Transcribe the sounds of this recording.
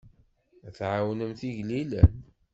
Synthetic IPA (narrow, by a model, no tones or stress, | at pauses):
æθʕawnəmθiʝlilæ̰n